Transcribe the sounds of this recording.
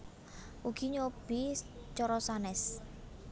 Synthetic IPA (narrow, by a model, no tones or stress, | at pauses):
ʔuɡ̥i̤ɲob̥it͡ʃɔɾɔsanɛs